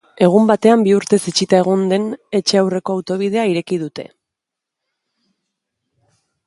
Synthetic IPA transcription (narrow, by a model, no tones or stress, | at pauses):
e̞ɣ̞umbat̪e̞ambiuɾt̪e̞sit͡ʃit̪ae̞ɣ̞ond̪e̞ne̞t͡ʃe̞awre̞ko̞awt̪o̞β̞ið̞e̞aiɾe̞kið̞ut̪e̞̰